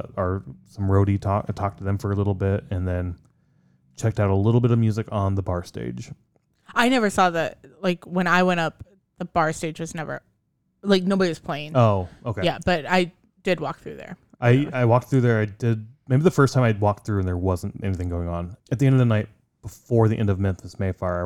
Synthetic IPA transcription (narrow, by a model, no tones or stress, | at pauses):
ə˞sʌ̃mɹoʊɾitʰɔktʰɔk̚tʰɨðɨ̃ɱfə˞əlɪɾl̩ˠbɪtɨ̃nðɨ̃n | t͡ʃʰɛk̚taʊɾəlɪɾl̩ˠbɪɾʌvmjʉzɨkn̩ðəbɑɹstḛɪd̥ʒ̥ | aɪnɛvə˞sɔðɨtlaɪkwə̃ñaɪwɛ̃ɾ̃ʌp̚ | ðəb̥ɑɹsteɪd͡ʒwʌznɛvə̰˞ | laɪk̚noʊbəɾiwʌz̥pʰl̥ẽɪɪ̃ŋoʊʔoʊkejæb̥ʌɾaɪ | d̥ɨd̚wɔk̚θɹʉðə̰˞ | ʔaɪaɪwɔk̚t̪θɹʉðə˞aɪdɪd̚meɪbiðɨfɜ˞stʰãɪmaɪd̚wɔk̚θɹʉɨ̃nðə˞wʌzə̃n̩tɛ̰niθɪ̃ŋɡoʊɪ̃ŋə̃nɨt̪̚ðiɛ̃ndʌvðənaɪt̚ | b̥əfɔɹðiʔɛ̃ndʌvmɪ̃nθɨsmeɪfɑɹaɪ